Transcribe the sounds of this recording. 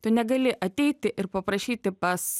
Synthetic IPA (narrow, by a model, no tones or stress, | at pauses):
t̪ʊnʲɛɡɐlʲɪʔɐt̪ʲɛɪt̪ʲɪʔɪɾpɐpɾɐʃʲiːt̪ʲɪpɐs